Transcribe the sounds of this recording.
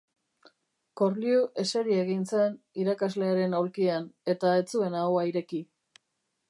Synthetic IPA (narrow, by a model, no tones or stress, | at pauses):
ko̞ɾliuʔe̞se̞ɾieɣ̞int͡sen | iɾakazle̞aɾe̞nawlkiane̞t̪ae̞t͡sue̞nawaiɾe̞ki